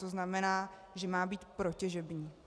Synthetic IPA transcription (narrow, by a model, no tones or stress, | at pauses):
oznamɛnaː | ʒɛmaːbiːt̪pɾocɛʒɛbɲiː